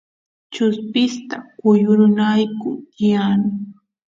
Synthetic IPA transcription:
t͡ʃʊspɪst̪akʊjʊɾʊnajkʊjanʊ

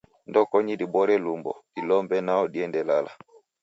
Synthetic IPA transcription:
ndɔkɔɲidibɔɾɛlumbɔ̰dilɔmbɛnaɔdiɛndɛlala̰

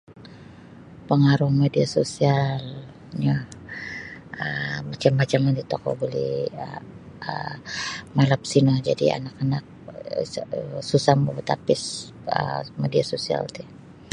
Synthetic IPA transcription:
pəŋaɾuhmediasosial | ɲa | əmat͡ʃamːat͡ʃamandit̪okɔ̰bolḭ | ə | malap̚sinad͡ʒa̰dḭa̰nakanak̚ | əsusambobət̪apɪs | ə̰mediasosia̰lt̪i

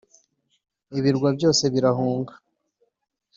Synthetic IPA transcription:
iβiɾɡwabjo̞ːse̞βiɾaɦuːŋɡḁ

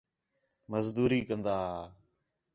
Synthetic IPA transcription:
məzd̪uːɾiːkənd̪aː

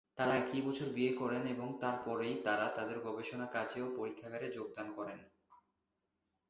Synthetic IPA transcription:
t̪aɾaekibɔt͡ɕʰoɾbiekɔɾeneboŋt̪aɾpɔɾejt̪aɾat̪ad̪eɾɡʱɔbeʃonakad͡ʑeopoɾikʰːaɡaɾed͡ʑoɡ̚d̪ankɔɾen

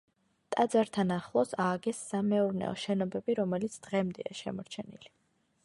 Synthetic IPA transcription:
t̪ʼad̪zaɾt̪ʰanaχlˠɔsaːɡɛsːamɛuɾnɛ̰ɔ̰ʃɛnɔbɛbiɾɔmɛlit̪sʰd̪̥ʁɛmd̪ɛaʃɛ̰mɔɾt͡ʃʰɛnili

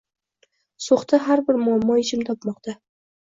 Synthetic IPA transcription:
soχt̪ʰaɦaɾbɪɾmʊamːɒɪt͡ʃʰɪmt̪ʰɒpmɒqt̪ʰa

